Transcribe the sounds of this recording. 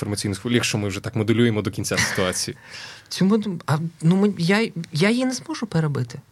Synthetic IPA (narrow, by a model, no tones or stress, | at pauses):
fɔrmɐt͡sʲsʲijnʊɔlʲikʃt͡ʃɔmɪwʒɛt̪akmɔd̪ʊlʲujemɔd̪ɔkʲinʲt͡sʲasɪ̥t̪ʊat͡sʲijit͡sʲumʊd̪ɐnumɪjajajinɛzmɔʒʊpeɾebɪt̪ɪ̥